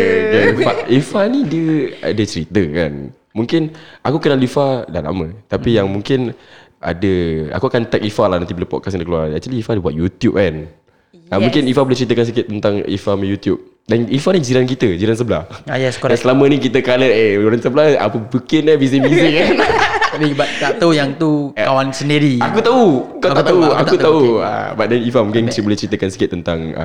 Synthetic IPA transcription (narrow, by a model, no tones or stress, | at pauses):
dafaifanidiəa̰dət͡ʃəɾit̪əka̰n | mũŋkɪnakukənalifadala̰mə̃t̪apijaŋmũŋkɪn | ʔa̰dəa̰kuakant̪ɛk̚ifalanant̪ibələpɔ̰t̚kasndəkəluaɾnak̚t̪aliifadibuat̪̚jut̪jup̚kan | amũŋkɪnifabolat͡ʃəɾit̪əkans̬əkɪt̪ːənt̪aŋḭfamãjut̪jup̚ | danifanid͡ʒiɾank̬it̪əd͡ʒiɾans̬əbəla̰hjasansəlamə̃nikit̪əkaləeoɾansəblaa̰pəbəkɪnabiszɪnbzikanabibadaʔt̪aujaŋt̪ukawansəndiɾiakut̪aukak̪t̪auakut̪aua̰baʔ̚dɛnifamũŋkɪnt͡ʃibolɪht͡ʃəɾit̪əkansi̥kɪt̪ːənt̪aŋə̰